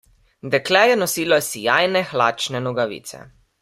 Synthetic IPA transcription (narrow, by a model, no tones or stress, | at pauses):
d̪ɛklɛːjɛnɔsiːlɔjɛsijaːjnɛxlaːt͡ʃnɛnɔɡaʋḭːt̪sɛ̰